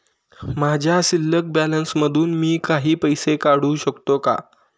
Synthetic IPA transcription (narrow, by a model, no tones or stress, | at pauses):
mad͡ʑʱjasilːək̚bælənsməd̪ʱuːnmiːkaɦiːpəjsekaɽ̤uːɕəkt̪oka̰